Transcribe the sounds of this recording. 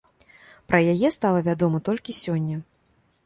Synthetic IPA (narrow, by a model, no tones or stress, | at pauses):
pɾɐjajɛst̪alˠɐvʲad̪ɔmɐt̪ɔlʲkʲisʲɔnʲːɐ